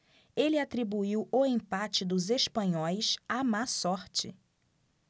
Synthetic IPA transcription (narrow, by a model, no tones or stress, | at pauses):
elɪat̪ɾibuiwʊẽpat͡ʃɪd̪ʊzeʃpɐ̃ɲɔjʃamasɔɾt͡ʃɪ̰